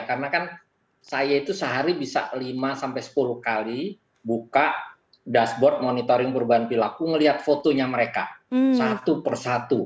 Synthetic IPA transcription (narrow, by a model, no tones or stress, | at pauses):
karənakan | sajait̪usəɦaɾibisa̰ʔlimasampajsə̥puluhkali | bukaʔ | dasbɔrt̪̚monit̪oɾɪŋpəɾubaɦanpilakuŋəliɦat̪̚fot̪oɲaməɾeka̰sat̪upərsat̪u